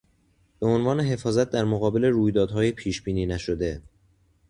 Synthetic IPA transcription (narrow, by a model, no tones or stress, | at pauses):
b̥eonvɒːneɦe̞fɒːzæt̪̚d̪æɾmoɣɒːbe̞le̞ɾuːjd̪ɒːd̪ɦɒːjepʰiːʃbiːniːnæʃo̞d̪e̞